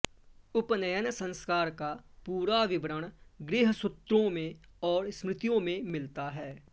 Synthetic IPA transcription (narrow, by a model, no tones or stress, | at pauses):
ʊpnəjənsə̃nskaːɾkapuːɾaʋɪbɾəɽ̃ɡɾɪːɦsʊt̪ɾõmẽɔːɾsmɾɪt̪ijõmẽmɪlt̪aɦɛː